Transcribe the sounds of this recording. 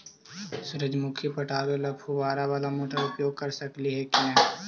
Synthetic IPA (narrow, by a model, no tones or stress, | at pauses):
sʊɾəd͡ʒmʊkʰjipəʈʰaːɾelɐpʰubaːɾaʋaːlamoːʈʰaɾʊpjoːɡ̚kɐɾsɐkliɦɛkiɦãː